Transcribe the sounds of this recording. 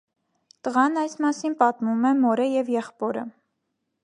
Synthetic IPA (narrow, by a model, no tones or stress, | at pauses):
t̪əʁɑnɑjsmɑsinpɑt̪mumɛmɔɾəjɛvjɛχpɔɾə̰